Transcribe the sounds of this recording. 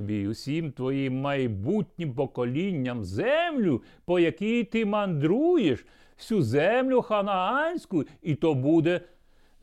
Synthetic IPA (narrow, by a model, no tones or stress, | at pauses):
bʲijusʲimt̪ʋɔjimːɐjbutʲnʲimpɔkɔlʲinʲːɐmzɛmlʲʊ | pɔjɐkʲijt̪ɪmɐnd̪ɾujeʃ | wsʲuzɛmlʲʊxɐnɐɑnʲsʲkʊit̪ɔbud̪ɛ